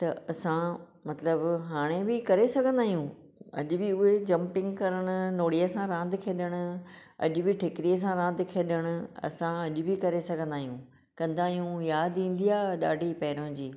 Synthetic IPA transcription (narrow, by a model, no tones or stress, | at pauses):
t̪ɐɐsã | mɐt̪ləbɦaːɽ̃ebɪkɐɾesɐɡʱə̃nd̪aːɦijũ | ɐ̰ʄʊbɪʊɦed͡ʑɐ̃mpɪ̃ŋɡkɐɾəɽ̃ʊ̆noːɽijəsãɾãːnd̪kʰeːɗəɽ̃ʊ̆ɐ̰ʄʊbɪʈʰɪkɪɾijəs̬ãɾãːnd̪kʰeːɗəɽ̃ʊ̆ɐ̰sãɐʄʊbɪkɐɾesɐɡʱə̃nd̪aːɦijũː | kɐ̃nd̪aːɦijũjaːd̪ĩːn̆d̪iaːɗa̰ːɖʱipɐɦɪɾõd͡ʑiː